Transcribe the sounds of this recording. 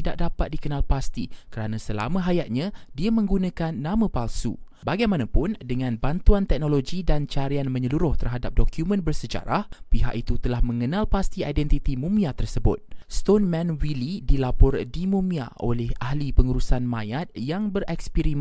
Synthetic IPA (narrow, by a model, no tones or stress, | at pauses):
idaʔ̚dapat̪̚dikənãlpast̪ikəɾanãsəla̰mə̃ɦajat̪̚ɲãdiamə̃ŋɡunãkanːãmə̃palsṵ | baɡajmanãpʊndəŋãnbant̪uant̪ɛk̚noloɡidant͡ʃaɾianmə̃ɲəluɾʊht̪ərɦadap̚dokjumə̃nbərsəd͡ʒa̰ɾahpiɦa̰ʔit̪ut̪əlahmə̃ŋənãlpast̪iajdɛnt̪it̪imũmĩat̪ərsəbʊ̰t̪̚st̪onmɛ̃nwilidilapɔrdimũmĩa̰o̰lɛhaɦlipəŋuɾusanmãjat̪̚jaŋbəɾɛkspiɾim